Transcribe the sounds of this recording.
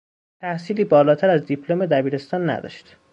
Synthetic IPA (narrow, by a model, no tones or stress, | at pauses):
t̪ʰæhsiːliːbɒːlɒːt̪ʰæɾæzd̪ipʰlome̞d̪æbiːɾe̞st̪ɒːnːæ̰d̪ɒ̰ːʃt̪